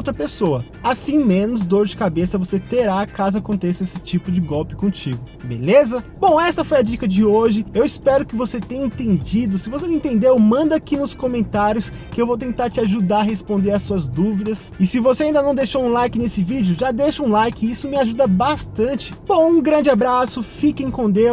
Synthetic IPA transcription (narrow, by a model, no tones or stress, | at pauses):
owt̪ɾɐpesoɐ | asĩmẽnʊzd̪oɾd͡ʒɪkabesɐvoset̪eɾakazʊakõnt̪esɐesɪt͡ʃipʊd͡ʒɪɡɔwpɪ̥kõt͡ʃiɡʊbḛlezɐb̥õw̃ɛst̪ɐfojɐd͡ʒikɐd͡ʒɪoʒɪewispɛɾʊkɪvoset̪ẽj̃ẽt̪ẽnd͡ʒid̪ʊsɪvoseẽt̪ẽnd̪ewmɐ̃nd̪ɐakinʊskõmẽnt̪aɾjʊs | kɪewvowt̪̬ẽnt̪aɾt͡ʃɪaʒud̪aɾɐɦespõnd̪eɾɐsuɐzd̪uvid̪ɐs | ɪsɪvoseaĩnd̪ɐnɐ̃w̃d̪eʃowũlajkɪnesɪvid͡ʒɪʊʒad̪eʃɐũlajkɪisʊmɪaʒud̪ɐbast̪ɐ̃nt͡ʃɪ̥b̥õw̃ũɡɾɐ̃d͡ʒɪabɾasʊfikẽj̃kõd̪ew